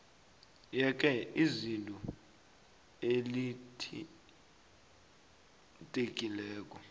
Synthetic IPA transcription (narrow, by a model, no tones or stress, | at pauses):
jɛk̬ʼɛizintʼɔ | elitʰ | tʼekʼilɛːk̬ʼɔ